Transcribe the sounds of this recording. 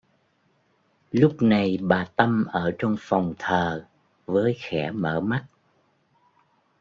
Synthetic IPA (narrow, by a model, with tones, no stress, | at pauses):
lʊ˦˥k͡p̚na˨˩jɓaː˨˩t̪ə˧mʔəː˧˩ɔ˧wŋ͡mfɔ˨˩wŋ͡mt̪ʰəː˨˩ | vəː˨˦jxɛ˧˩mə̰ː˧˩ma˦˥t̚